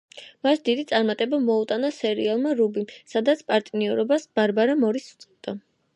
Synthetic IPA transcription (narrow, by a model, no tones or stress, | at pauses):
masd̪id̪it̪sʼaɾmat̪ʼɛbamɔut̪ʼanasɛɾialˠmaɾubimsad̪at̪sʰpʼaɾt̪ʼniɔɾɔbasbaɾbaɾamɔɾist̪sʼɛd̪̥a